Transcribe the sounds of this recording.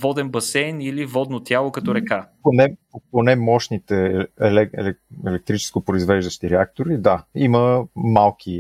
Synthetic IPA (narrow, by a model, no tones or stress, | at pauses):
vɔd̪ɛnbɐsɛjnilivɔd̪not̪ʲjalˠokɐt̪ɔɾɛkaponɛpoponɛmɔʃnit̪ɛɛlɛɛ̰lɛɛlɛk̚t̪ɾit͡ʃɛ̥skopɾoizvɛʒd̪əʃt̪iɾɛak̚t̪oɾid̪aiməmalˠk̟ʰi